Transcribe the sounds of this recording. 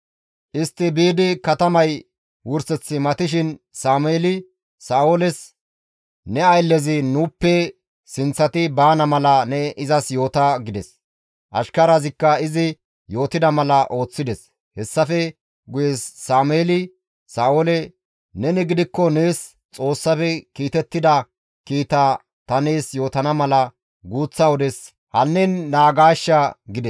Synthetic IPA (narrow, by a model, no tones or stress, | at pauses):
ʔɪst̪ːɪbiːd̪ɪkɐt̪ɐmɐj | wʊɾsɛt͡sːɪmɐt̪ɪʃɪn | saːmʊeːlɪ | saːolɛs | nɛɐjlːɛzɪnuːpːɛ | sɪnt͡sːɐt̪ɪbaːnɐmɐlɐnɛɪzɐsjo̞ːt̪ɐɡɪd̪ɛs | ʔɐ̰ʃkɐɾazɪkːɐɪzɪ | jo̞ːt̪ɪd̪ɐmɐlɐʔo̞ːt͡sːɪd̪ɛs | hɛsːɐfɛ | ɡʊjɛsːaːmeːlɪ | saːolɛ | nɛnɛɡɪd̪ɪkːɔneːs | t͡sʼo̞ːsːɐfɛkiːt̪ɛt̪ːɪd̪ɐ | kiːt̪a | t̪ɐne̞ːsjo̞ːt̪ɐnɐmɐlɐ | ɡuːt͡sːɐwɔd̪ɛs | hɐnːɛnːaːɡaːʃːɐɡɪd̪ɛs